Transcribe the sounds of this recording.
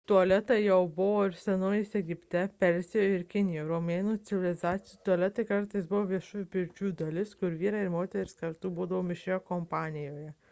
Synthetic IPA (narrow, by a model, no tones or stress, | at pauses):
t̪uɔlʲɛt̪ɐɪjɛʊbʊʋoːɪɾsʲɛnoːjɪsʲɛɡʲɪpʲt̪ʲɛpʲɛlʲzʲɪjoːɪɾkʲɪnʲɪjoːɾomʲeːnuːt̪sʲɪʋʲɪɪlʲɪzɑːt̪sʲɪt̪uɔlʲɛt̪ɐɪkɐɾt̪ɐɪsbʊʋoːʋʲiɛʃuːʋʲupʲɪɾʲt͡ʃʲuːd̪ɐlʲɪskʊɾʋʲiːɾɑːɪɾmoːt̪ʲɛɾʲɪskɐɾt̪uːbuːd̪ɐʋoːmʲɪʃʲejoːkɔmpɑːnʲɪjoːjɛ